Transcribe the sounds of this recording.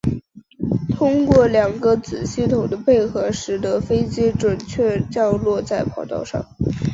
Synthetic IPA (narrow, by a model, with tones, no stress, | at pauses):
t̪ʰʊ˥ŋkwɔ˥˩ljɑ˨˩ŋɡə˦t͡sɹ̩˨˩ɕi˥˩t̪ʰʊ˨˩ŋd̪ə˦pe˥˩ɪxɤ˧˥ʂɻ̩˧˥d̪ə˧˥fe˥ɪt͡ɕi˥ʈ͡ʂwə˨˩nt͡ɕʰɥɛ˥˧t͡ɕjɑ˥˧ʊlwɔ˥˧t͡sa˥˩ɪpʰɑ˨˩ʊt̪ɑ̰˥˧ʊʂɑ̰˥˩ŋ